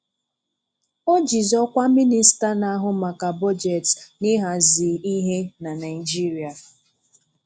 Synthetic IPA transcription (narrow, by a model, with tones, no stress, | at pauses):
o˦d͡ʒi˨zɔ˦kʷa˦mi˦ni˨˦sta˦na˦ɦʊ˦ma˨ka˨bɔ˦d͡ʒe˨tni˦ɦa˨zi˨i˦ɦe˦na˨na˨ɪ˨d͡ʒi˦ɾi˨a˨